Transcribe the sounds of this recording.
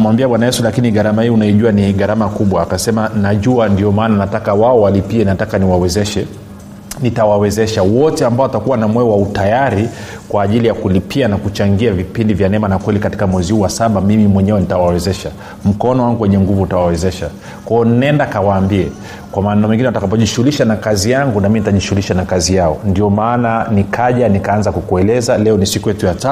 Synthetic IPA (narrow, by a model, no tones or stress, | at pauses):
muwambiabwanajɛsulakiniɡaɾamahiːunaiʄuaniɠaɾamakuɓwaːkasɛmanaʄuandiɔmaːnanatakawaɔwalipiɛnatakaniwawɛzɛʃɛ | nitawawɛzɛʃawɔtɛambaɔatakuwanamwɛɔwautajaɾi | kwaːʄilijakulipʰianakut͡ʃaŋɡiavipindivjanɛmanakwɛlikati̥kamwɛzihuwasaɓamimimwɛɲɛwɛnitawawɛzɛʃa | m̩kɔnɔwaŋɡuwɛɲɛŋɡuvuːtawawɛzɛʃa | kwajɔnnɛndakawaːmbiɛ | kwamaːnamɛŋɡinɛwatakap̬ɔʄiʃuuliʃanakazijaŋɡunaminitaʄiʃuuliʃanakazijaɔndiɔmaːnanikʰaʄanikaanzakukuɛlɛzalɛɔnisikujɛtujata